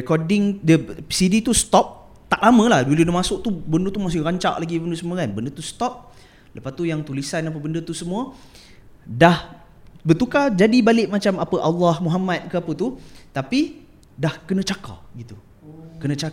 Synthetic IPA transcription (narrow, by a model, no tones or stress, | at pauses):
ɛkɔdɪŋdəsidit̪ust̪ɔp̚ | t̪aʔlamə̃lahduludəmasʊʔ̚t̪ubəndət̪umas̬ɪɾaɲt͡ʃa̰ʔlaɡibəndəsəmuəkanbəndət̪ust̪ɔp̚ | ləpat̪ujaŋt̪ulisanap̬əbəndət̪usəmũə | dah | bət̪ukad͡ʒadibalɪʔmat͡ʃamapəʔalːahmuɦamat̪̚kəapət̪ut̪api | dahkənə̃t͡ʃaka̰əɡit̪u | kənə̃t͡ʃa